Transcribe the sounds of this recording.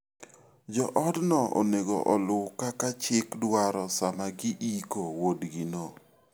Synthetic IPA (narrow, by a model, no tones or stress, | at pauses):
d͡ʒɔʔɔdnɔʔɔ̰neɡɔ̰ʔɔlʊkakat͡ʃɪkdwaɾɔsamaɡiʔikowodɡɪno